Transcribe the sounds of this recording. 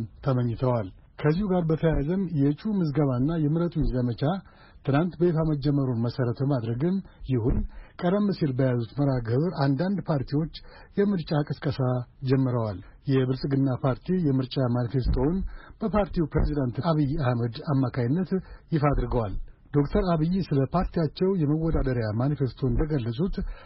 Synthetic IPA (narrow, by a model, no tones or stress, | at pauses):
mt̪ʰəməɲːɪt̪ʰəwal | kʰəzːihuɡaɾbət̪ʰəjazənjɛt͡ʃʼumɨzɡəβanːajɛmɨɾət̪ʼunzəmət͡ʃʰa | t̪ʰɨnant̪bəjɛfaməd͡ʒːɛmːəɾonməsəɾət̪bəmad̪ɾəɡɨmjɪhunkʼəɾəmːɨsilbəjazut̪məɾaɡəβɾʔand̪and̪pʰaɾt̪ʰiwo̞t͡ʃː | jɛmɨɾt͡ʃʼakʼəskʼəsad͡ʒɛmːɨɾəwaljɛbɨlsʼɡɨnːapʰaɾt̪ʰijɛmɨɾt͡ʃʼamanfest̪ʰo̞nb̥əpʰaɾt̪ʰiupɾḛzid̪ant̪aβijːahməd̪amːakʰajɪnːət̪jɪfad̪ɾɨɡəwald̪o̞kt̪ʰəɾaβijːsɨləpʰaɾt̪ʰijat͡ʃːɛwjɛməwːɔd̪ad̪əɾjamanfest̪ʰo̞nnd̪əɡəlːəsʼut̪